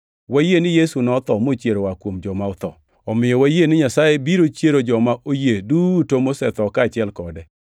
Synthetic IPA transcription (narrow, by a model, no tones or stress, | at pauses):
wajenɪjesunɔt̪ɔmot͡ʃjeɾowakwomd͡ʒɔmaɔt̪ɔ | ɔmɪjɔwajenɪɲasajebiɾot͡ʃjeɾod͡ʒɔmaʔojedutomosɛt̪ɔkat͡ʃɪɛlkɔdɛ